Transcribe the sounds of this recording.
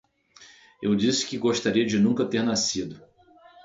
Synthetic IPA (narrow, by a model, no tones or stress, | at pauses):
ewd͡ʒisɪ̥kɪɡoʃt̪aɾiɐd͡ʒɪnũkɐt̪eɾnasid̪ʊ